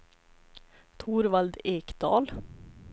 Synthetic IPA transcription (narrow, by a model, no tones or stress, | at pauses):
t̪ʰuːɾʋɑld̪eːkd̪̥ɑ̰ːl